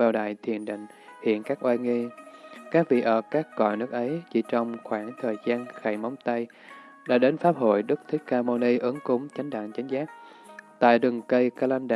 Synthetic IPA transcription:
aː˨˩wɗa̰ː˧˨jt̪ʰi˨˩ənɗḭ̈˧˨ŋ̟ | hḭ˧˨ənkaː˦˥k̚ʔwaː˧ŋi˧kaː˦˥k̚vḭ˧˨˩ʔəː˧˩kaː˦˥k̚ːɔ̰˧˨jnɨ˦˥ək̚ʔə˨˦jt͡ɕi˧˩t͡ɕɔ˧wŋ͡mxwaː˧˩ŋt̪ʰəː˨˩jzaː˧nxa˧˩jma˨˦wŋ͡mt̪a˧j | ɗa̰ː˧˥ɗe˨˦nfaː˦˥p̚ho̰˧˨jɗɨ˦˥k̚t̪ʰi˦˥kkaː˧mo˧ni˧ʔɨ˨˦ŋkʊ˨˦ŋ͡mt͡ɕa˨˦jŋ̟ɗa̰ː˧˨ŋt͡ɕa˨˦jŋ̟zaː˦˥k̚ | t̪a̰ː˧˨jɗɨ˨˩ŋkə˧jkaː˧la˧nɗa˧

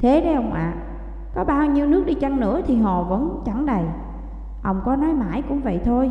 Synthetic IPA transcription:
t̪ʰe˨˦ɗə˨˦jʔə˧wŋ͡mʔa̰ː˨ | kɔ˨˦ɓaː˧wɲi˧əwnɨ˦˥ək̚ɗi˧t͡ɕa˧ŋnɨ̰˧˥ət̪ʰi˨˩ɦɔ˨˩və̰˧˥nt͡ɕa˧˩ŋɗə˨˩j | ʔə˧wŋ͡mkɔ˨˦nɔ˨˦jma̰ː˧˩jkʊ̰˧˥ŋ͡mvə̰˧˨jt̪ʰo˧j

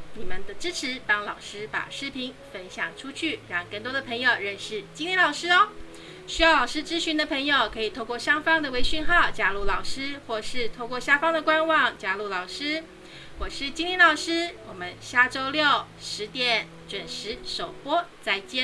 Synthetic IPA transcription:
ni˨˩mə˦nd̪ə˨ʈ͡ʂɻ̩˥ʈ͡ʂʰɻ̩˧˥pɑ˥ŋlɑ˨˩ʊʂɻ̩˥pa̰˨˩ʂɻ̩˥pʰi˧˥ŋfə˥nɕjɑ̰˨˩ŋʈ͡ʂʰu˥t͡ɕʰy˥˩ɻɑ˥˧ŋkə˥˩nt̪wɔ˥d̪ə˨pʰɤ˧˥ŋjo˨˩ʊɻə˥˧nʂɻ̩˥˩t͡ɕi˥ŋli˧˥nlɑ˨˩ʊʂɻ̩˥ɔ˥ | ɕy˥jɑ˥˩ʊlɑ˨˩ʊʂɻ̩˥ʈ͡ʂɻ̩˥ɕy˧˥nd̪ə˨˧pʰə˧˥ŋjo˨˩ʊkʰɤ˧˥i˨˩t̪ʰo˥˧ʊkwɔ˥˩ɕjɑ˥ŋfɑ˥ŋd̪ə˨we˧˥ɪɕy˥˧nxɑ˥˩ʊt͡ɕja˥lu˥˩lɑ˨˩ʊʂɻ̩˥xwɔ˥˧˩ʂɻ̩˥˩t̪ʰo˥˧ʊkwɔ˥˩ɕja˥fɑ˥ŋd̪ə˨kwa˥nwɑ˥˩ŋt͡ɕja˥lu˥˩lɑ˨˩ʊʂɻ̩˥ | wɔ˨˩ʂɻ̩˥˩t͡ɕi˥ŋli˥nlɑ˨˩ʊʂɻ̩˥wɔ˨˩mə˦nɕja˥ʈ͡ʂo˥ʊljo˥˨˩ʊ | ʂɻ̩˧˥t̪jɛ˥˩n | ʈ͡ʂwə˨˩nʂɻ̩˧˥ʂo˨˩ʊpwɔ˥t͡sa˥˩ɪt͡ɕjɛ˥n

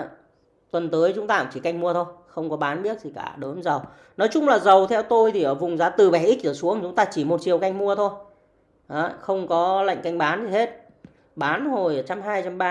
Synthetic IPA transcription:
t̪wə˨˩nt̪əː˨˦jt͡ɕʊ˨˦ŋ͡mt̪aː˧kt͡ɕi˧˩ka˧jŋ̟mu˧ət̪ʰo˧jxə˧wŋ͡mkɔ˨˦ɓaː˨˦nɓi˦˥ət̚zi˨˩ka̰ː˧˩ɗəː˨˦nzə˨˩w | nɔ˨˦jt͡ɕʊ˧ŋ͡mlaː˨˩zə˨˩wt̪ʰɛ˧wt̪o˧jt̪ʰi˨˩ʔəː˧˩vʊ˨˩ŋ͡mzaː˨˧˦t̪ɨ˨˩ɓɛ˧˩ʔi˦˥zəː˧˩su˨˦əŋt͡ɕʊ˨˦ŋ͡mt̪aː˧t͡ɕi˧˩mo˨˩t̚t͡ɕi˨˩əwka˧jŋ̟mu˧ət̪ʰo˧j | ʔə˨˦xə˧wŋ͡mkɔ˨˦la̰˧˨ŋ̟ka˧jŋ̟ɓaː˨˦nzi˨˩he˦˥t̚ | ɓaː˨˦nzo˨˩jə˨˩t͡ɕa˧mɦaː˧jt͡ɕa˧mɓaː˧

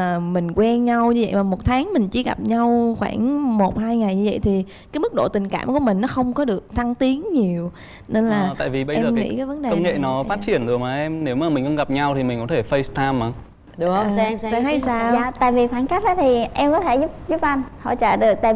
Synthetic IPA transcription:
mï˨˩ŋ̟kwɛ˧nɲa˧wɲɨ˧və̰˧˨jmaː˨˩mo˨˩t̚t̪ʰaː˨˦ŋmï˨˩ŋ̟t͡ɕi˧˦ɣa̰˨˩p̚ɲa˧wxwaː˧˩ŋmo˨˩t̚haː˧jŋa˨˩jɲɨ˧və̰˧˨jt̪ʰi˨˩ | kaː˨˦jmɨ˦˥k̚ɗo̰˧˨t̪ï˨˩ŋ̟ka̰ː˧˩mku˧˩əmï˨˩ŋ̟nɔ˨˦xə˧wŋ͡mkɔ˨˦ɗɨ˨˩ək̚t̪ʰa˧ŋt̪i˨˦ənɲi˨˩əw | ne˧nlaː˨˩˨t̪a̰ː˧˨vi˨˩ɓə˧jɛ˧zəː˨ḭ˧˦˥kaː˨˦və˨˦nɗe˨ə˧˩˧wŋ͡mŋḛ˧˨nɔ˨˦faː˦˥t̚t͡ɕi˧˩ənzɨ˨˩əmaː˨˩ʔɛ˧mne˨˦wmaː˨˩mï˨˩ŋ̟xə˧wŋ͡mɣa˨˩p̚ɲa˧wt̪ʰi˨˩mï˨˩ŋkɔ̰˧˦˥t̪ʰe˧˩fə˧jst̪ʰaː˧ma˨˦˨ | saː˧ŋha˧jsaː˧waː˧˨t̪a̰ː˧˨jvi˨˩fwaː˧˩nka˦˥k̚ɗə˨˦t̪ʰi˨˩ʔɛ˧mkɔ˨˦t̪ʰe˧˩zu˦˥p̚zu˦˥p̚ʔa˧nhɔ̰˧˨t͡ɕəː˧˩ɗɨ˨˩ək̚t̪a̰ː˧˨

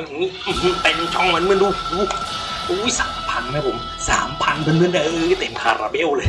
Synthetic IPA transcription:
a˧˩ja˨ŋnːiː˦˥ʔɯ˧˩ht̪a˧˩ni˧ŋt͡ɕʰɔ˧˥˩ŋma˧˥nmɯ˧˩ə˨nduː˧uː˨˦˥ʔu˧˦˥jsaː˨˩˦mpʰa˧nma˦˥˩pʰo˨˩˦m | sa̰ː˩˦mpʰa˧npʰɯ˧˨nmɯ˧˥˨da˧˩ʔːt̪e˨˩mkʰa̰ː˧ɾa̰ː˧be˧˥˨wlɤː˧j

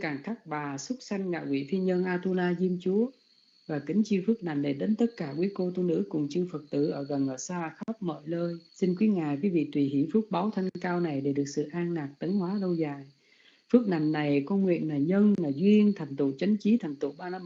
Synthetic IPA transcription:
kaː˨˩ŋt̪ʰa˦˥k̚ɓaː˨˩sə˦˥t̚sa˧jŋ̟ŋa̰ː˧˨kwḭ˧˨fi˧əɲə˧nʔaː˧t̪u˧laː˧zi˧əmt͡ɕu˨˦ə | vaː˨˩kï˨˦ŋ̟t͡ɕi˧fɨ˦˥k̚na˨˩jŋ̟ɗa˨˩ɗe˨˦nt̪ə˦˥t̚kaː˧˩kwi˨˦əko˧t̪u˧nɨ̰˧˥kʊ˨˩ŋ͡mt͡ɕɨ˧fə˨˩k̚t̪ɨ̰˧˩˨ʔəː˧˩ɣə˨˩nʔəː˧˨˩saː˧˨xə˦˥p̚mə̰˧˨jləː˧jsi˧nkwi˨˦ŋaː˨˩kwi˨˦vḭ˧˨t̪wi˨˩hi˧˩əwfɨ˦˥ək̚ɓaː˨˦wt̪ʰa˧ŋŋkaː˧wna˨˩jɗe˧˩ɗɨ˨˩ək̚sɨ̰˧˨ʔaː˧ŋnaː˨˩k̚t̪ə˨˦ŋhwaː˨˦lə˧wzaː˨˩j | fɨ˦˥ək̚na˨˩jŋ̟na˨˩jko˧ŋwḭ˧˨ən̚naː˨˩ɲə˧nlaː˨˩zwi˧ənt̪ʰa˨˩ŋ̟t̪ṵ˧˨t͡ɕə˨˦ŋ̟t͡ɕi˨˦t̪ʰa˨˩jŋ̟t̪ṵ˧˨ɓaː˧naː˧m

